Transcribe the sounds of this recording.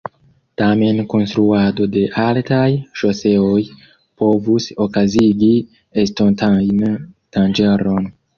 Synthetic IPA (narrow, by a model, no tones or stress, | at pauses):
tamenko̞nstɾuado̞de̞ʔaltajʃoseoj | po̞vusokaziɡi | estontajntand͡ʒeɾon